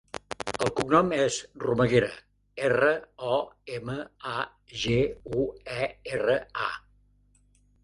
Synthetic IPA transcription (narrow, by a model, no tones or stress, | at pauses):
əlˠkubnɔmɛzruməɣeɾə̰ | erəɔeməa | ʒeuɛerəa̰